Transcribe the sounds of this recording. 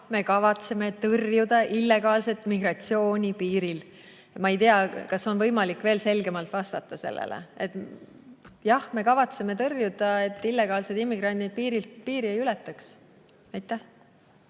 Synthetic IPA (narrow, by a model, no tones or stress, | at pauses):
me̞kɑvɑt̪se̞me̞t̪ɤrjud̪̥ɑʔilːe̞ɡ̥ɑːlse̞t̪ːˑmiɡ̥rɑt̪sio̞ːnʲipiːɾil | mɑejt̪eɑkɑso̞nvɤjmɑlikːˑve̞ːlse̞lɡe̞mɑlt̪vɑst̪ɑt̪ˑːɑse̞̰lːḛlḛet̪ | jɑhme̞kɑvɑt̪seme̞t̪ɤrjud̪ɑe̞t̪ːˑilːe̞ɡ̥ɑːlse̞d̪imːiɡ̥rɑnʲd̪id̪̚piːɾilt̪piːɾiejylet̪ːˑɑks | ɑjt̪ːˑæh